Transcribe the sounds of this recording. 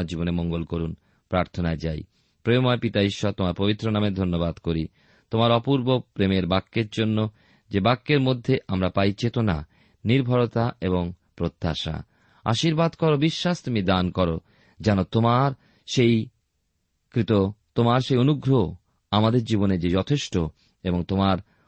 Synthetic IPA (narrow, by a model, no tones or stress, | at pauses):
aɾd͡ʑibonemoŋɡolkoɾun | pɾaɾt̪ʰonaed͡ʑaj | pɾeomɔepit̪aiʃːɔt̪omaɾpobit̪ːɾonamed̪ʱonːobad̪koɾi | t̪omaɾɔpuɾbopɾemeɾbakːeɾd͡ʑonːo | d͡ʑebakːeɾmod̪ʱːeʔamɾapajt͡ɕet̪ona̰ | niɾbʱaɾot̪aeβoŋ | pɾot̪ʰːa̰ʃa̰ | a̰ʃiɾbad̪kɔɾobiʃːaʃt̪umid̪ankɔɾo̰ | d͡ʑanot̪omaɾ | ʃej | kɾit̪ot̪omaɾʃejonuɡɾo | amad̪eɾd͡ʑiboned͡ʑed͡ʑɔt̪ʰeʃʈo | eboŋt̪omaɾ